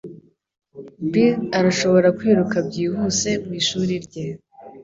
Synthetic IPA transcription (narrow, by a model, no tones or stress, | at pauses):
bilaɾaʃo̞βo̞ɾakwiːɾukabɟiːhuse̞mwiːʃuːɾiɾɟe